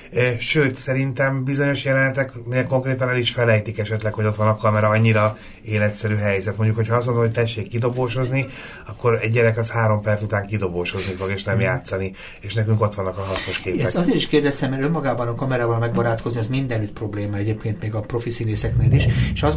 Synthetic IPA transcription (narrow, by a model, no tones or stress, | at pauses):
ʃøːt̪sɛɾint̪ɛmbizo̞ɲo̞ʃjɛlɛnɛt̪ɛkminɛko̞ŋkreːt̪ɒnɛliʃfɛlɛjt̪ikɛʃɛt̪lɛkho̞ɟo̞t̪ʋɒnɒkːɒmɛɾɒɒɲːiɾɒ | eːlɛt̪sɛɾyːɦɛjzɛt̪mo̞ɲɟukho̞chɒɒs̬ɡo̞nd̪omhocʲt̪ɛʃːeːkːid̪o̞boːʃo̞zni | ɒkːo̞ɾɛɟɟɛɾɛkɒshaːɾo̞mpɛrt̪sut̪aːŋkid̪o̞boːʃo̞znifoɡeːʃnɛmjaːt̪sɒni | eːʃnɛkyŋko̞t̪ʋɒnːɒkɒɦɒsno̞ʃkeːpɛɛzeːɾiʃkeːrd̪ɛst̪ɛmːɛɾømːɒɡaːbɒnɒkɒmɛɾaːvɒlmɛɡ̚bɒɾaːt̪ko̞zniɛzmind̪ɛnyt̪pro̞bleːmɒɛɟeːpkeːnt̪meːɡɒpro̞fisineːsɛkneːliʃeʃɒz